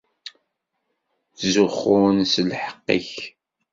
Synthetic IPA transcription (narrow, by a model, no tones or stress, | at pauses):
θzʊχʊnslħə̥qːḭç